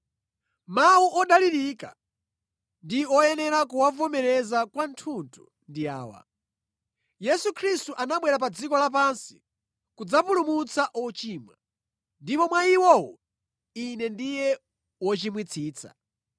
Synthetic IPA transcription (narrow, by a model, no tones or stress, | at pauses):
mawuʔɔɗaliɾika̰ | ndiɔjɛnɛɾak̬uwavɔmɛɾɛzakwantʰuntʰu | ndia̰ːwa̰ | jɛsukʰɾistuʔanaɓwɛɾapad͡zikɔlap̬ansi̥ | kud͡zapulumut͡saʔɔt͡ʃiːmwa̰ | ndipɔmwaiwɔwɔ | inɛndijɛ | wɔt͡ʃimwit͡sʰiːt͡sʰa̰